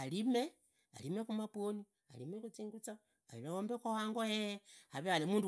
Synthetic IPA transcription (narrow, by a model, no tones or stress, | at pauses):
alime̞ | a̰limekumapwoni | a̰limekut͡siːŋɡut͡sa | ailaombekowaːŋɡojeaβealemuːndu